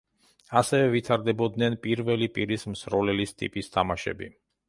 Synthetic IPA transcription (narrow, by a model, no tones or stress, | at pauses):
asɛvɛvit̪ʰaɾd̪ɛbɔd̪nɛnpʼiɾvɛlipʼiɾismsɾɔlɛlist̪ʼḭpʼist̪ʰamaʃɛ̰bḭ